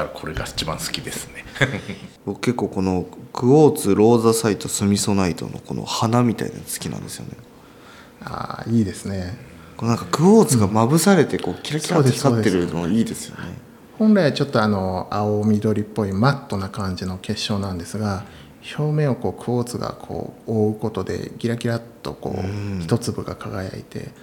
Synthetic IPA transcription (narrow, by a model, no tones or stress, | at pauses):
kʰo̞ɾeɡa̰it͡ɕibã̰ɰ̃sɨ̥kʲid̪e̞sɨ̥ne | bokɯ̥ke̞kːo̞ːko̞no̞kɯ̟oːt͡sɨɾo̞ːzasait̪o̞sɨmʲiso̞nait̪o̞̰no̰kono̰hanamʲit̪a̰ḭna̰sɨ̥kʲinã̰nd̪e̞sɨjo̞̰ne̞ | a̰ːiːd̪e̞sɨne̞ | konãŋkakɯ̟oːt͡sɨɡamabɯ̟saɾe̞t̪e̞koːkʲiɾaksʲiɾaoːd̪esaːtd̪ːeɾɯ̟nooiːd̪e̞sɨjo̞̰ne̞̰ | hõ̞nɾaiβat͡ɕo̞t̪ːo̞ano̞aomʲid̪o̞ɾʲipːo̞imat̪ːo̞nakãɲ̟d͡ʑino̞ke̞ɕːo̞ːnãnd̪e̞sɨɡa | ço̞ːmẽ̞o̞ko̞ːkɯ̟o̞ːt͡sɨɡa̰kʰo̞̰ːoɯ̟ko̞t̪o̞d̪e̞̰ɡʲiɾakʲiɾat̪ːo̞̰ko̞̰ːçi̥t̪o̞t͡sɨbɯ̟ɡakaɡaja̰ḭt̪e̞̰